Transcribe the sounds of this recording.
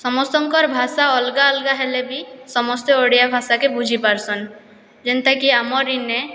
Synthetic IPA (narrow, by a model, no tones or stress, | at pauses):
sɔmɔst̪ɔŋkɔɾbʱasaɔlɡaɔlɡaɦelebisɔmɔst̪eoɽijabʱasakebud͡ʒʱipaɾsɔn | d͡ʒent̪akiamɔɾːine